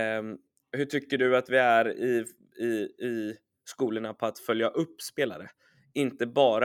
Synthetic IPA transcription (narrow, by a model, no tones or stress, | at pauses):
hɵʈʰʏkːəɖɵat̪vɪæɾɪ | ɪɪ | skuːləɳapʰɔat̪fœljaʔɵpːspeːla̰ɾə | ɪnt̪əbɑːɾa